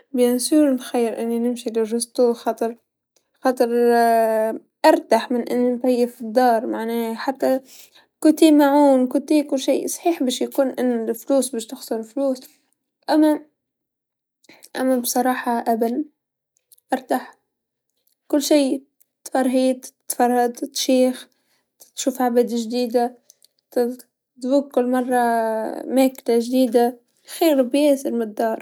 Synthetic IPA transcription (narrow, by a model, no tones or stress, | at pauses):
bjɪnsuːɾɪnxajːɪɾʔɪnːinɪmʃilɪrʊst̪uxɑt̪ˤɨɾ | xɑt̪ˤɨɾ | ʔɑɾˤt̪aħmɪnʔɪnːinfajːɪfid̪ːɑːɾˤmaʕnaːħat̪ːa | kʊt̪imaʕuːnkʊt̪iːkʊlːʃḭːsˤħiːħbaːʃjakuːnʔɪnːlfluːsbɪːʃt̪ɪxsˤʊɾfluːs | ʔamːa | ʔa̰mːabsˤɑɾˤɑːħɑʔabal | ʔɑɾˤt̪aħ | kʊlːʃiː | t̪fɑɾˤɦiːt̪t̪fɑrˤːɑd̪t̪ʃiːx | t̪ʃuːfʕabad̪ʒd̪iːd̪a | t̪ | t̪vuːɡ̚kʊlːmɑrˤːɑmeːklaʒd̪iːd̪a | xiːɾbjeːsɪɾmɪd̪ːɑːɾˤ